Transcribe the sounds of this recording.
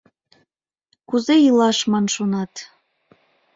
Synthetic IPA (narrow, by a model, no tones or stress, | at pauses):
kuzejilɑʃmɑnʃonɑt̪